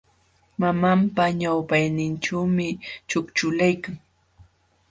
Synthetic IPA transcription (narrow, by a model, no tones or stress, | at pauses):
mamampaɲawpajnɪnʈ͡ʂawmɪt͡ʃʊkt͡ʃʊlajkaŋ